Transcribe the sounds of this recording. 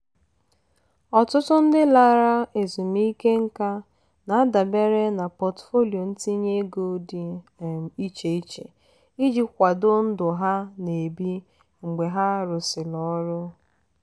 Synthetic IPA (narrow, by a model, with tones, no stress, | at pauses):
ɔ˨tʊ˦tʊ˦n̩˦dɪ˦la˦ɾa˦e˨zu˨mi˦ke˦ŋ̩˦ka˦ | na˨a˦da˨be˦ɾe˦na˨pɔ˨tfo˦li˨o˨n̩˦ti˦ɲe˦ɡo˦di˨ | i˦t͡ʃe˨i˦t͡ʃḛ˨ | i˦d͡ʒi˦kʷa˨dʊ˦n̩˦dʊ˨ɦa˦ne˨bi˦ | ŋ͡m̩˨ɡ͡be˨ɦa˦ɾʊ˨sɪ˨lɔ˦ɾʊ˦